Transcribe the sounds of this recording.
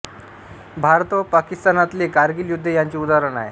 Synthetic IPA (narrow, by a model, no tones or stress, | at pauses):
bʱaɾt̪ʋəpakist̪anat̪lekaɾɡiːljud̪ʱːəjaɲt͡ɕiːud̪aɾəɳaḛ